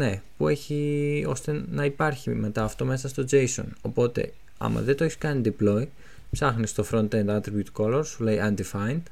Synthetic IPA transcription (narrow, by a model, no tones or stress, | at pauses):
ne̞pue̞çio̞̰st̪e̞nɐipɐɾçime̞t̪ɐːft̪o̞me̞sɐst̪o̞d͡ʒe̞jso̞̰no̞po̞t̪e̞̰ | ɐ̰mɐ̰ðet̪oeçi̥skɐnid̪iplo̞i | psɐxnist̪o̞fɾo̞nt̪end̪ɐt̪ɾibjut̪ko̞lo̞ɾsulejʔɐnd̪ifɐjnd̪̥